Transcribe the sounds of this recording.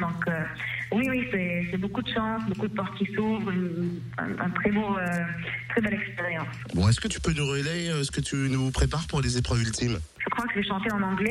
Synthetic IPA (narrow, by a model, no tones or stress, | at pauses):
d̪ɔ̃kø | wiwisɛsɛbokud̪əʃɑ̃sbokud̪əpɔʁt̪̚kʲisuvʁyn | ɛ̰̃ɛ̰̃t̪χɛboøt̪χɛbɛlɛkspeʁjɑ̃s | bɔ̃ɛskət̪y̥pønuʁəleøɛsə̥kət̪ʰynupχepaʁpuʁlezepχœvylt̪imʒəkχwakəʒɛʃɑ̃t̪eɑ̃nɑ̃ɡlɛ